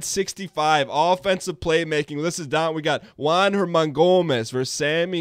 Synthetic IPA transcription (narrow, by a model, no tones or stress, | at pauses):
dsɪkstifaɪvɔfɛ̃nsʌv̥pʰl̥eɪmeɪkɪ̃ŋðɪsɨzdãʊ̃nwiɡɑt̚wãnhə˞mɑ̃ŋɡomɛsvə˞sæmi